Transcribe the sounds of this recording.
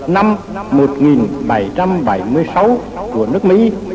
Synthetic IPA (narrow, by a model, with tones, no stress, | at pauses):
na˧m | mo˨˩t̚ŋi˨˩nɓa˧˩jt͡ɕa˧mɓa˧˩jmɨ˧əjsa˨˦w | ku˧˩ənɨ˦˥ək̚mḭ˧˥